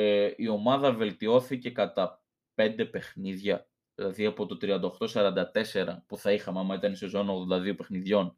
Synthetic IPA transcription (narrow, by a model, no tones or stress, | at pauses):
io̞mɐðɐve̞lt̪io̞θice̞kɐt̪ɐ | pe̞nd̪e̞pe̞xniðʝɐ | ðilɐðiɐpo̞t̪o̞t̪ɾiɐnd̪ɐoxt̪o̞sɐɾɐnd̪ɐt̪e̞se̞ɾɐpuθɐixɐmeɐmɐit̪ɐnist̪ozo̞noɣðo̞nd̪ɐðio̞pe̞xniðʝo̞n